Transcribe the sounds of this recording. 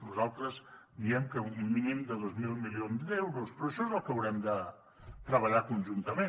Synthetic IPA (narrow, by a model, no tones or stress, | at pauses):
nuzalˠt̪ɾəz | d̪iɛmkəumːinimd̪əðozmilˠmilionzd̪ɛwɾuspɾɔʃɔezəlˠkəəwɾɛmd̪ə | t̪ɾəβəʎakunʲʒunt̪əme